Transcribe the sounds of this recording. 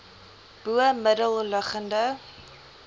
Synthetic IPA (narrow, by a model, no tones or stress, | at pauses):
b̥uəmədəlˠləχəndə